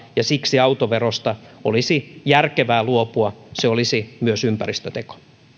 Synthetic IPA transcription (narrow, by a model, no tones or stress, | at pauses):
jɑsiksiɑwt̪oʋerost̪ɑo̰lisijærkeʋæːluopuɑseolisimyøsympærist̪øt̪eko̥